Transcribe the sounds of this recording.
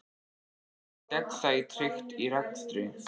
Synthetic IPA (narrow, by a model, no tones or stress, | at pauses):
t̪ɛkθajt̪ʰɾɪxt̪iɾaknst̪ɾʏ